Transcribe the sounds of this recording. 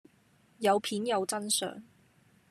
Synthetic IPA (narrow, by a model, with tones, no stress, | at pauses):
jɐ˨˧wpʰiː˨˥njɐ˨˧wt͡sɐ˥nsœ̰ː˨ŋ